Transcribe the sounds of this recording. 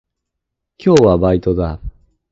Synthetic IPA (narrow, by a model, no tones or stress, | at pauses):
kʲo̞ːβabait̪o̞d̪a